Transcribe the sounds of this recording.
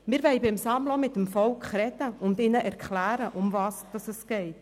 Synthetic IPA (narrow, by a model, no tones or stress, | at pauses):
mɪɾvɛɪbɪmsɑmlɔmɪtːəmfɔlkχɾɛdəʊndɪnəʔɛɾkʰχlæːɾəʔʊmvɑːsd̥ɑsəsɡ̥ɛɪt